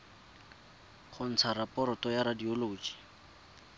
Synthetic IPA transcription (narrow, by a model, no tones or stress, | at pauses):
χʊn̩t͡sʰaɾapɔɾɔtɔjaɾadioloːt͡ʃi̥